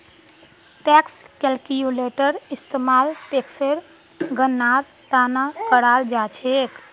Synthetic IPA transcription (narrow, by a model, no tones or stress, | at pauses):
ʈɛːkskɛlkijuleːʈəɾɪst̪eːmaːlpekseɾ | ɡənːaːɾ | t̪aːnakəɾaːɾd͡ʒaːt͡ʃʰeːk